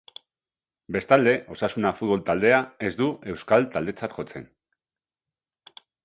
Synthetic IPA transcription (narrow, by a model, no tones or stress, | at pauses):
be̞st̪ald̪e̞ʔo̞sasunafut̪̚βo̞lt̪ald̪e̞ae̞zd̪ue̞wskalt̪ald̪e̞t͡sat̪xo̞t͡se̞̰n